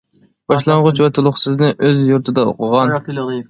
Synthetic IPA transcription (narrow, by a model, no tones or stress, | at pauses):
b̥ɑʃlˠɑɴʁʊt͡ʃwɛt̪ʰʊlˠʊχsɨznɨʔøzjuɾt̪ʰɨd̪ɑo̰qʰəʁɑn